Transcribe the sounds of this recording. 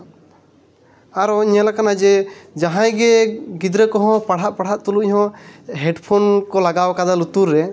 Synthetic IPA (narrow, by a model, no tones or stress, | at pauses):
aɾɔiɲɛlakanad͡ʒɛd͡ʒaɦãjɡɛɡid̪ɾəkɔɦɔ̃paɽ̤aʔpaɽ̤aʔt̪uluʔhɔ̃ɦɛɖpʰɔnkɔlaɡawkad̪alut̪uɾːɛ